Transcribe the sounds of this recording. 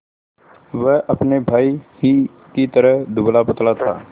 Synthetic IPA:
ʋəɦɐpnebʱaːiɦi | kit̪əɾəɦd̪ʊblapʊt̪lat̪ʰa̰ː

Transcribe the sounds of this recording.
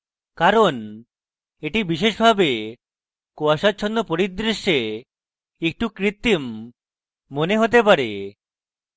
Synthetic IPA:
kaɾon | eʈibiʃ̬eʃbʱabe | koaʃat͡ʃʰɔnd̪ɔpɔɾid̪ɾeʃːe | ek̚ʈukɾit̪ːimː | oneɦot̪̬epaɾe

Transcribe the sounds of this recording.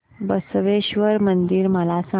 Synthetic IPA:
bəsʋeɕʋəɾmənd̪iːɾməlasa

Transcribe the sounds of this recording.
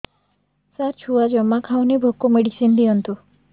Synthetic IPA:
saɾt͡ʃʰuwad͡ʒɔmakʰaw̃nibʱɔkːomeɽisind̪ijɔnt̪u

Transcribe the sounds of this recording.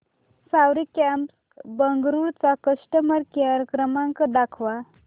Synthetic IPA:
sawɾikɛmps | bəŋɡɾuɭt͡sakəʂʈəməɾkjaɾkɾəmaŋkəd̪akʰʋa

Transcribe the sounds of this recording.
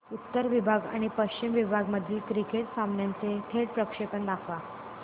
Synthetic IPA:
ut̪ːəɾʋibʱaɡa̰ɽ̃ipəɕt͡ɕimʋibʱaɡməd̪ʱiːlkɾikeʈsamɳjant͡seʈ̪ʰeɽpɾəkʂepənd̪akʰʋa

